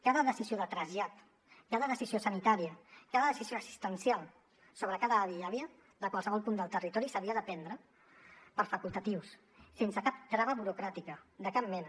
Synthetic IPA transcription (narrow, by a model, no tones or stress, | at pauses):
kaðəðəsizioðət̪ɾəʒat̪ | kaðəðəsiziosənit̪aɾiəkaðəðəsizijoəsi̥st̪ənsjalˠ | soβɾəkaðəːðiaβiə | ðəkwalˠsəβɔlˠpund̪əlˠt̪ərit̪ɔɾisəβiəðəpɛnd̪ɾə | pəɾfəkulˠt̪ət̪iws | sensəkap̚t̪ɾaβəβuɾukɾat̪ikəd̪əkap̚mɛnə